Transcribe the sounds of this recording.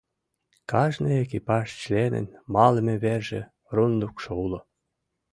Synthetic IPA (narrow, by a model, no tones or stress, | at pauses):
kɑʒnijek̬ipɑʃt͡ɕlenə̰nmɑlə̆meβerʒḛ̆ | rund̪ukʃoulŏ